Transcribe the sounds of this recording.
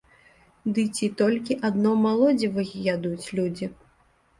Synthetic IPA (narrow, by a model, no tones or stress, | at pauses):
d̪ɨt͡sʲit̪ɔlʲkʲiʔad̪nɔmalˠɔd͡zʲivɨjjad̪ut͡sʲlʲud͡zʲi